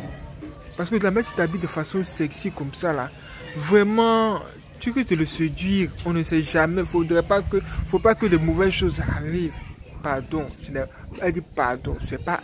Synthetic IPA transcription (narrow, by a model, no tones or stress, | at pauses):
pasəkəd̪lamɛ̃t̪y̥t̪abid̪əfasɔ̃sɛksikɔmsala̰ | vʁɛmɑ̃ | t̪yʁisd̪ələsed̪ɥiʁɔ̃nəsɛʒamɛfod̪ʁɛpakəfopakəlɛmovɛzʃozaʁivpaʁd̪ɔ̃sənɛɛd̪ipa̰ʁd̪ɔ̰̃sənɛpa